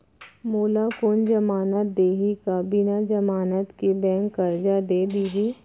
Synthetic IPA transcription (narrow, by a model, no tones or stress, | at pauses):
moːlakoːnd͡ʒɐmaːnət̪̚d̪eːɦikabinad͡ʒəmaːnət̪kebɛ̃ːŋkːəɾd͡ʒad̪eːd̪iːɦi